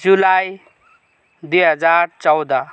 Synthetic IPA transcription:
d͡zulaj | d̪ujɦəd͡zaɾt͡sɔwd̪a

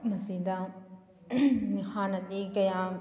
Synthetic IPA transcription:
nɐsiːd̪aː | hãːnɐt̪ikɐjãː

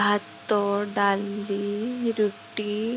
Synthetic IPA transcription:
at̪ːoɖalːiɾuʈːi

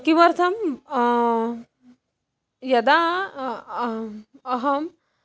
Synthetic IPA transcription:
kimɐɾt̪ʰɐm | jɐd̪a | ɐɦɐm

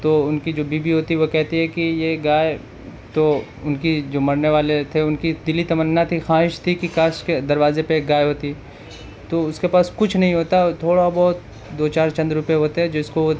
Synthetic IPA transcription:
t̪oʊnkid͡ʒoːbiːbiɦoːt̪iɛʋokɛɦt̪iɦɛkijeɡaːe | t̪o | ʊnkid͡ʒoːmɐɽneʋaːlet̪ʰeʊnkid̪ɪlit̪ɐmənːat̪ʰixaːɦɪʃt̪ʰikikaːʃked̪ɐɾʋaːzepeɡaːjɦoːt̪i | t̪oʊskepaːskʊt͡ʃʰnɐɦĩɦoːt̪at̪ʰoːɽabɔːt̪ | d̪oːt͡ʃaːɾt͡ʃɐ̃nd̪ɾʊpijeɦoːt̪eɦɛ̃d͡ʒoɪskoʋo

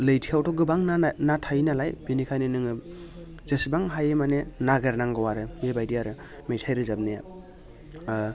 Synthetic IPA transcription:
lɯjtʰijawtʰɔɡɯbaŋnanatʰajnalajbinikʰajnɯnɯŋɯ | zesibaŋɦajemanenaɡeɾnaŋɡɯwaɾɯebajdiaɾɯ | mejtʰajɾɯzabneja

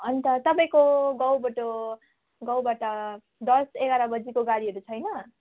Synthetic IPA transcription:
ʌnt̪ʌt̪ʌpaĩkoɡʌwbʌʈo | ɡʌwbaʈʌ | d̪ʌseɡaɾabʌd͡zikoɡaɾiɦʌɾut͡sʰʌjnʌ

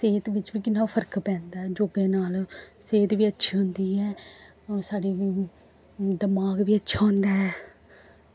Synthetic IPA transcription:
seːt̪ʋɪt͡ʃʋiːkɪnːaːpʰəɾkpɛ̃ːnd̪aːɛːd͡ʒoːɡẽːnaːlseːt̪ʋiːətːʃʰiːɦʊnd̪iːɛː | saːɽiː | d̪əmaːɡʋiːətːʃʰaːɦʊ̃nd̪aːɦɛː

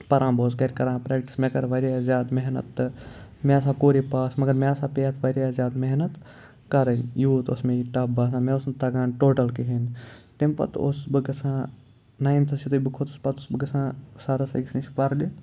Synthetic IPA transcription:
pɐɾãːboːskɐɾʲkɐɾãːpɾeːk̚ʈi̥smẽkɐɾʋɐɾjazjaːd̪meɦnɐ̰t̪ːɨmẽɐs̬ãːkoːɾipaːsmɐɡɐɾmẽɐsãːpeːɐt̪ʰʋɐɾʲjaːzʲjaːd̪meɦnɐt̪ | kɐɾɐnjuːt̪osmẽiʈɐbaːs̬ãːmẽosnt̪ɐɡãːnʈoːʈɐlkiɦint̪empɐ̰t̪o̰sbɨɡɐsʰãː | naːĩnt̪ʰɐsit̪ubɨkʰoːt̪spɐt̪ʰosbɨɡɐsãːsaːɾɐsɐ̰ɡst͡ʃʰpɐɾɗi

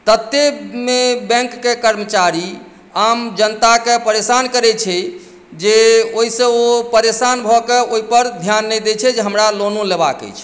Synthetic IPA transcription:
t̪ət̪ːemebɛ̃ŋkːekəɾmət͡ʃaɾi | amd͡ʒənt̪akepəɾesankəɾɛt͡ʃʰɛ | d͡ʒeoɦisẽopəɾesanbʱɔkeoɦipəɾd̪ʱjanːɛd̪et͡ʃʰɛd͡ʒeɦəmɾalonuleba̰kə̰jt͡ʃʰ

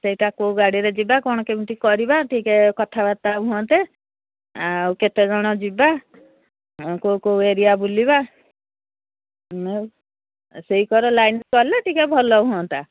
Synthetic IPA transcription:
seɦiʈakouɡaɽiɾed͡ʒibakɔɽ̃ɔkemiʈikɔɾibaʈʰikekɔt̪ʰabat̪auɦuɔ̃nt̪e | wket̪ed͡ʒɔɽ̃ɔd͡ʒiba | kowkoweɾijabuliba | me | seɦikɔɾɔlajnskɔɾleʈikebʱɔlɔɦuɔ̃nt̪a

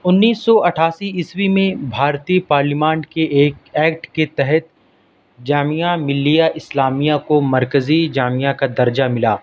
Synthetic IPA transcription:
ʊnːiːsːɔɐʈʰaːsiɪswimẽbʱaːɾt̪iːpaːɾlimãːnʈkeʔeːkɛːk̚ʈket̪ɛɦɛt̪̚ | d͡ʒaːmijamɪlːijaʔɪslaːmijakomɐɾkəzid͡ʒaːmijakad̪ɐɾd͡ʒamɪlaː

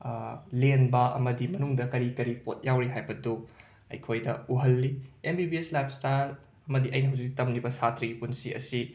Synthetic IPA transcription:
lenbɐʔɐ̰mɐdimɐnuŋdɐkɐɾikɐɾipot̚jawɾiɦajbɐdu | ɐ̰jkʰojdɐuɦɐlːiembibieslap̚staɾ | ɐmɐdiʔɐjnɐɦawzik̚tɐmlibɐsatʰɾiɡipunsiɐ̰si

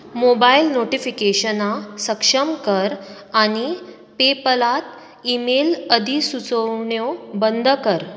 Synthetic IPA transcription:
mobailnoʈifikeɕənasəkʂəmkəɾ | aɽ̃i | pepəlat̪ | imeləd̪ʱisut͡səwɳjobənd̪ʱkəɾ

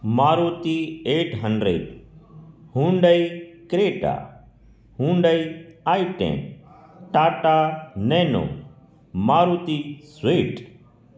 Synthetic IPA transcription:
maːɾuːt̪iːeːʈɦəɳɖɾḛːɖ | hũːɳɖəiːkɾeːʈa̰ː | ɦũːɳɖəiːaːiʈḛ̃ː | ʈaːʈaːnẽːno̰ː | maːɾuːt̪iːsʋeːʈ

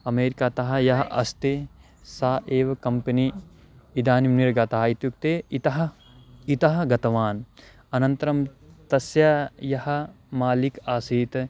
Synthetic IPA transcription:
ɐmeːɾikaːt̪ɐɦɐjɐɦɐʔɐst̪e | saːʔeːʋɐkɐmpɐni | id̪aːnimniɾɡɐt̪aɦɐit̪juk̚t̪eːit̪ɐɦɐ | it̪ɐɦɐɡɐt̪ɐʋaːn | ɐnɐnt̪ɐɾɐmt̪ɐsjajɐhɐ̆ | maːlikaːsiːt̪

